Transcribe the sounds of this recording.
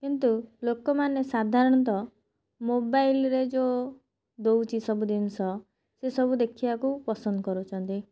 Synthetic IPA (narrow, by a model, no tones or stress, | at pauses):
kint̪ulokɔmanesad̪ʱaɾɔɽ̃ɔt̪ɔ | mobajlɾed͡ʒo | d̪owt͡ʃʰisɔbud̪inɔsɔ | sesɔbud̪ekʰibakupɔsɔnd̪ɔkɔɾut͡ʃʰɔnt̪i